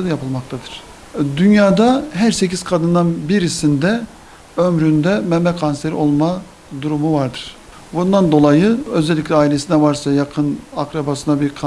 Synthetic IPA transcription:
d̪japʰɯlˠmak̚t̪ʰad̪ɯɾ̥ | d̪ynjaːd̪aɦæɾse̞cʰiz̥kʰad̪ɯnd̪anbiɾisind̪ɛ | ømɾynd̪ɛmɛmɛkʰanseɾio̞lˠma | d̪uɾumuvaɾd̪ɯɾ̥ | bund̪and̪o̞lˠajɯø̞zɛlʲːiclʲɛaːilʲe̞sinɛvaɾsajakʰɯnakɾabasɯnabiɾkʰa

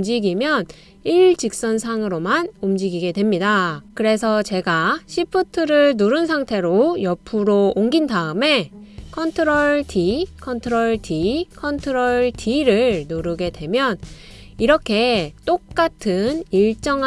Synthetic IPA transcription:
md͡ʑiɡimjʌn | iɭd͡ʑik̚s͈ʌns̬ʰaŋɯɾomanumd͡ʑiɡiɡe̞dwe̞mɲidakɯɾe̞s̬ʰʌt͡ɕe̞ɡaɕʰipʰɯtʰɯɾɯɭnoɾɯns̬ʰaŋtʰe̞ɾojʌpʰuɾoːŋɡindaɯme̞kʰʌntʰɯɾoɭtʰikʰʌntʰɯɾoɭtʰikʰʌntʰɯɾoɭtʰiɾɯɭnoɾɯɡe̞dwe̞mjʌn | iɾʌkʰe̞t͈ok̚k͈atʰɯniɭt͡ɕ͈ʌŋ

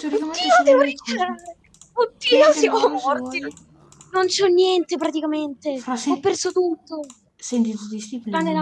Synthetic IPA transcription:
uinoeɾit͡ʃːaɾ | ot̪ːiːnosamomɔrt̪i | nont͡ʃɔnːjɛnt̪epɾat̪ikament̪eaɔpːɛrsot̪ut̪ːo | sent̪it̪ut̪ːist̪iplanea

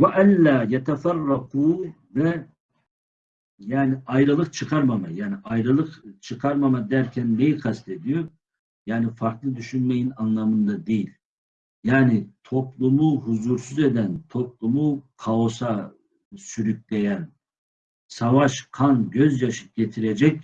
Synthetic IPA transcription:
waʔænlaːjɛt̪ʰɛfɑrːɑqʰuː | vɛ | jaːniʔɑjɾɯlˠɯqt͡ʃʰɯqʰɑɾmamajaːniʔɑjɾɯlˠɯqt͡ʃʰɯqʰɑɾmamad̪æɾcʲʰænːejiqʰɑst̪ʰed̪ijoɾ | jaːnifɑɾklˠɯd̪yʃynmejinɑnlˠɑmɯnd̪ad̪ejilʲ | jaːnit̪ʰo̞plˠumuɦuzuɾsyze̞d̪ænt̪ʰo̞plˠumukʰaosa | syɾyc̚ʲlejæn | savaʃqʰanɟøzjaʃɯ̥p̚ɟ̥et̪ʰiɾed͡ʒɛc̚

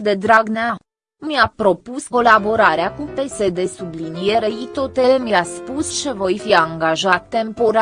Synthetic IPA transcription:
d̪e̞d̪ɾaɡnea | mjapɾo̞pusko̞labo̞ɾaɾeakupe̞sed̪e̞sublinije̞ɾeit̪o̞t̪elemjaspust͡ʃevo̞jfiaŋɡaʒat̪ːe̞mpo̞ɾ

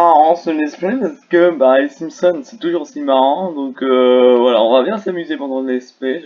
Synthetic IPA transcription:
aʁɑ̃səlɛspɛpasə̥kəbasimsɔnsɛt̪uʒuʁsimaʁɑ̃d̪ɔ̃køvwala̰ɔ̰̃vabjɛ̃samyzepɑ̃d̪ɑ̃d̪əlɛspɛ

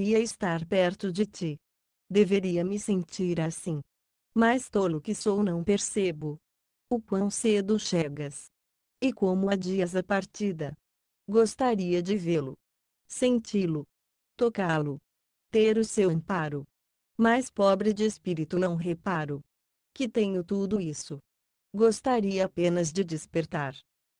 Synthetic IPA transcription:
iɐɪst̪aɾpɛɾt̪ʊd͡ʒɪt͡ʃi | d̪eveɾiɐmɪsẽnt͡ʃiɾasĩ | majst̪olʊkɪsownɐ̃w̃peɾsebʊ | ʊkwɐ̃w̃sed̪ʊʃeɡɐs | ɪkõmʊad͡ʒiɐzɐpaɾt͡ʃid̪ɐ | ɡost̪aɾiɐd͡ʒɪvelʊ̰ | sẽnt͡ʃilʊ | t̪okalʊ | t̪eɾʊsew̃paɾʊ | majspɔbɾɪd͡ʒɪespiɾit̪ʊnɐ̃w̃ɦepaɾʊ | kɪt̪ẽɲʊt̪ud̪ʊisʊ | ɡost̪aɾiɐpẽnɐzd͡ʒɪd͡ʒɪspeɾt̪aɾ

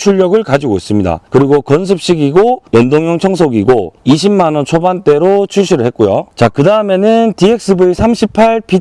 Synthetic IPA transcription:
t͡ɕʰuɭːʌɡɯɭkad͡ʑiɡois͈ɯmɲida̰kɯɾiɡokʌns̬ʰɯp̚ɕ͈iɡiɡojʌndoŋjʌŋt͡ɕʰʌŋs̬ʰoɡiɡoiɕʰimːanʌnt͡ɕʰobant͈e̞ɾot͡ɕʰuɕʰiɾɯɭhɦe̞t̚k͈ojot͡ɕakɯdaɯme̞nɯntie̞k̚s͈ɯbuesʰamɕʰipʰaɭpʰi

